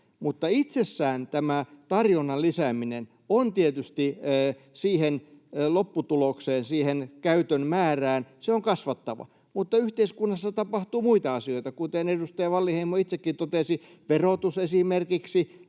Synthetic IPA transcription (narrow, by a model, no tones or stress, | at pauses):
mut̪ːɑit̪sesːæːnt̪æmæt̪ɑrjonːɑlisæminen | ont̪iet̪yst̪iː | siːhenlopːut̪ulokseːnsiːhenkæyt̪ønmæːræːnseoŋkɑsʋɑt̪ːɑʋɑ̰ | mut̪ːɑyht̪eiskunːɑsːɑt̪ɑpɑht̪uːmuit̪ɑɑsioit̪ɑkut̪enedust̪ɑjɑʋɑlːiheimːoit̪sekːint̪ot̪esi | ʋerot̪usesimerkiksi